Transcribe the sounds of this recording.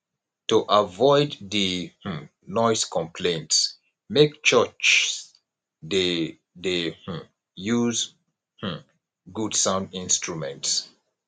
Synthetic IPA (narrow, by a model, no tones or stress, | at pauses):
tuʔavɔɪdðih̩ | nɔɪskʰɔ̃mpʰlẽnts | mekt͡ʃɜt͡ʃs | de | deh̩ | juz | h̩ | ɡudsãʊ̃ndĩnstɹumɛ̃nts